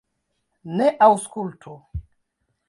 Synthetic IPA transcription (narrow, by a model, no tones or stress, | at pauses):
neʔawskultʰu